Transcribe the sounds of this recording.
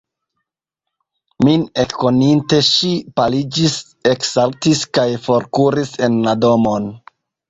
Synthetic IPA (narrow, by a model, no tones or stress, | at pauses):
minekːo̞ninte̞ʃipalid͡ʒis | eksaltiskajfo̞ɾkuɾise̞nlado̞mo̞n